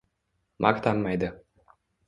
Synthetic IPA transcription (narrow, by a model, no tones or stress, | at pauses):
mʔakt̪ʰanmajd̪ɨ